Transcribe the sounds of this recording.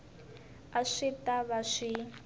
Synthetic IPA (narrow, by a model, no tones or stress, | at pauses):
aʂitaβaʂi